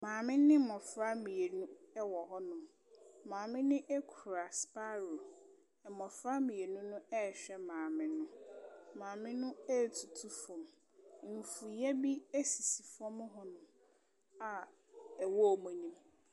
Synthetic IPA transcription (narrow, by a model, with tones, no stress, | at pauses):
mãː˨mɪ̃˦nɪ̃˦mɔ˨fɾa˦mĩ˨e˨nũ˦ɛ˦wɔ˨ɦɔ˦nʊ̃˨ | mãː˨mɪ̃˦nɪ̃˦ʔɛ˦kʰu˨ɾa˨spa˦ɾo˨ | mɔ˨fɾa˦mĩ˨e˨nũ˦nʊ̃˦ʔɛ˦˨ɕᶣɛ˦mãː˨mɪ̃˦nʊ̃˦mãː˨mɪ̃˦nʊ̃˦ɛ˦˨tʰu˨tʰu˦fɔ̃˨m˦ | m̩˨fu˨jɛ˦bi˦e˦si˨si˨fɔ̃˦mʊ̃˦ɦɔ˦nʊ̃˨m | a˨ | ɛ˨wɔ˦˨mɔ̃˨ɲĩ˦m